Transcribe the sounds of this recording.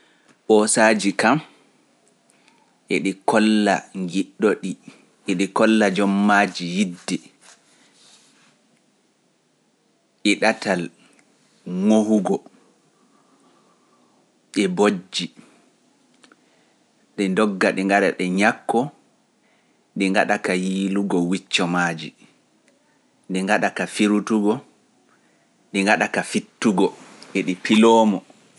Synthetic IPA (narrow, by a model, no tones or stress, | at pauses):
ɓɔsad͡ʒikam | ʔɛɗikɔlːa̰ŋɡiɗːɔɗi | ʔɛɗikɔlːad͡ʒɔmːaːd͡ʒijidːɛ | ʔɛɗatal | ŋohuɡɔ | ɓɛbod͡ʒːi | ɗɛndɔɡːaɗɛŋɡaɗaɗɛɲakːɔ | ɗiŋɡaɗakajiːluɡɔwit͡ʃːɔmaːd͡ʒi | ɗiŋɡaɗakafiɾutuɡɔ | ɗiŋɡaɗakafitːuɡɔʔɛɗipilɔːmɔ